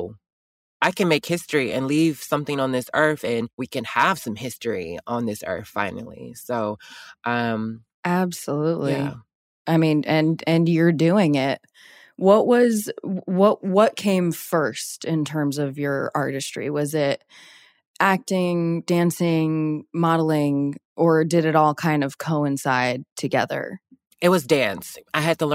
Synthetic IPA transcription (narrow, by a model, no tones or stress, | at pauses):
ʔaɪkɨ̃nmeɪkhɪstɹ̥iʔɨ̰̃nliv̥sʌ̃mθɪ̃ŋə̃nðɪsɜ˞θɨ̃nwikɨ̃nəv̥sʌ̃mhɪstɹ̥ḭə̃nðɪsɜ̰˞θfã̰ɪ̃nl̩ˠḭsoʊʔʌ̃m | ʔæbsəluʔˡli | aɪmĩnʔɨ̃nɨ̃njə˞dʉɪ̃ŋɪt̚ | wʌʔwʌzwʌʔ̚wʌt̚kʰẽɪ̃ɱfɜ˞stɪ̃ntʰɜ̃˞mzʌvjə˞ɑ̰ɹɾɨstɹ̥ḭwʌzɪt̚ | ʔæk̚tɪ̃ŋdæ̃nsɪ̃ŋmɑɾl̩ˠɪ̃ŋʔə˞dɨɾɨɾɔlˠkʰãɪ̃ndʌv̥kʰoʊɨ̃nsaɪd̚tʰɨɡɛ̰ðə̰˞ | ɨt̚wʌzdæ̃nsaɪɨd̚tʰələ